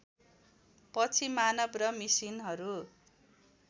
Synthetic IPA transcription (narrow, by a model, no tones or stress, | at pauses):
pʌt͡sʰimanʌbrʌmisinɦʌɾu